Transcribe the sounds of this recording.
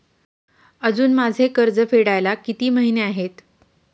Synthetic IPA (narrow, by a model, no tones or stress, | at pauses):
əd͡zuːnmad͡zʱekəɾd͡zəfʰeɽajlakit̪iːməɦineaɦet̪